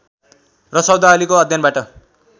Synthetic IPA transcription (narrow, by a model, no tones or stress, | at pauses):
rʌsʌwd̪aːlikoʌd̪ʱjʌnbaʈʌ